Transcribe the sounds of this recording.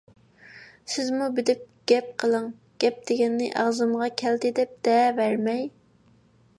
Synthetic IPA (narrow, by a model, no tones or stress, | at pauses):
sɪzmubɪd̪ɪp̚ɡ̥ʲɛp̚qʰəlˠəŋ | ɡ̥ʲɛp̚d̪̥ɪɡʲɛnːɪʔɑʁzɨmʁɑkʲʰɛld̪ɪd̪ɛp̚d̪̥ɛvæɾmɛj